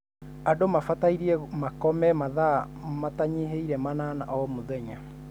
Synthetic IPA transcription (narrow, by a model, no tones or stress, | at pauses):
adomafataiɾiɛmakɔmɛmaða | mataɲeɦeiɾɛmanana̰ʔɔmoðɛɲa